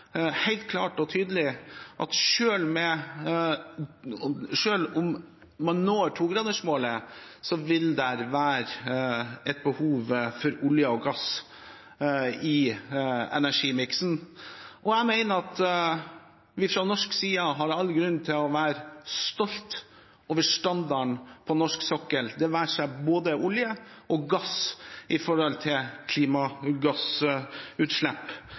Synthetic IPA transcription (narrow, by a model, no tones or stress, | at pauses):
hæɪlt̪̚kʰlɑːʈɔt̪ʰyːd̪əlɪʔɑt̪ʂøːlmɛ | ʂøːlʊmː | ɑnːoːʈʰuːɡɾɑd̪əʂmoːlə | sɔʋɪld̪æɾʋæːɾ | ɛt̪̚bəhuːʋfɔɾʊljəɔɡɑs | ɪ | ɛ̰næʂiːmɪksn̩ʔɔæmæɪnəɑt̪ | ʋɪfɾɔnɔʂksiːɑɦɑɾɑlːɡɾʉnt̪ʰɪlɔʋæːɾst̪ɔlt̪ | oːʋəʂt̪ɑnd̪ɑɳpʰɔnɔʂksɔkːəld̪ɛʋæːʂæɪboːd̪əʔʊljəʔɔɡɑsʔɪfɔɾɔlt̪ʰɪlkʰliːmɑɡɑs | ʉːt̪ʂlɛpː